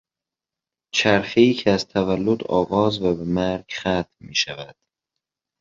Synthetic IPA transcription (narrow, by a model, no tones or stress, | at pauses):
t͡ʃʰæɾxeiːcʰeæzt̪ʰævælːod̪ɒ̰ːɣɒːzvæbemæɾɟxæt̪ʰmiːʃævæd̪̥